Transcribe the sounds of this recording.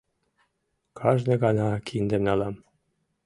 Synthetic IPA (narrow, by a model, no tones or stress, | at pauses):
kʰɑʒnĕɣɑnɑkʰind̪ĕmnɑlɑm